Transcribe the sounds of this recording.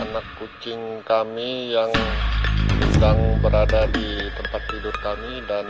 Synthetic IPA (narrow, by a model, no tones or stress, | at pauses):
anakːut͡ʃɪŋkamijaŋssədaŋbəɾadadit̪əmpat̪ːidʊrkamidan